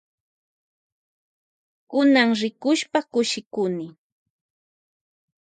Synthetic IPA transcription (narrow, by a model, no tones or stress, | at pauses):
kʊnaŋɾɪkʊʃpakʊʃɪkʊnɪ